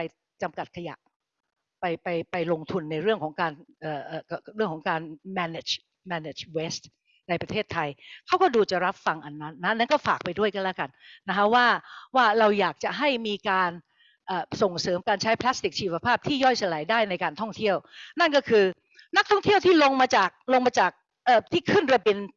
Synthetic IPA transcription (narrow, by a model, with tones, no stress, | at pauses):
pa˧j | t͡ɕa˧mka˨˩t̪̚kʰa˧ja̰˨˩ʔ | pa˧jpa˧jpa˧jlo˧ŋt̪ʰu˧nːa˧jɾɯ˥˩əŋkʰɔː˩˦ŋkaː˧nʔəː˨˩ʔːɾɯ˥˩əŋkʰɔ˩˦ŋkaː˧nmɛː˧ne˨˩t͡ɕ | mɛː˧neː˨˩t͡ɕwe˦˥st̪ | na˧jpɾa˧eː˥˩t̪ʰːa˧jkʰa˦˥wkɔː˥˩duː˧t͡ɕa˨˩ɾa˦˥p̚fa˧ŋʔa˧nːa˦˥nːa˦˥na˦˥nkɔː˥˩faː˨˩k̚pa˧jdu˥˩əjka˧˥nla˦˥ka˧nːa˦˥kʰa˦˥waː˥˩waː˥˩ɾa˧wjaː˨˩k̚t͡ɕa˨˩ɦa˥˩jmiː˧kaː˧n | ʔaː˨˩so˨˩ŋsɤː˩˦mkaː˧nt͡ɕʰa˦˥jpʰlaː˦˥st̪i˨˩k̚t͡ɕʰiː˧wa˧pʰaː˥˩p̚t̪ʰiː˥˩jɔ˥˩jsa˧la˨˩˦jdaː˥˩jna˧jkaː˧nt̪ʰɔ˥˩ŋt̪ʰi˥˩əwna˥˩nkɔː˥˩kʰɯː˧ | na˦˥k̚t̪ʰɔ˥˩ŋt̪ʰi˥əwt̪ʰiː˥˩lo˧ŋmaː˧t͡ɕaː˨˩k̚lo˧ŋmaː˧t͡ɕaː˨˩k̚ | ʔəː˨˩t̪ʰiː˥˩kʰɯ˥˩nɾa˧bi˧n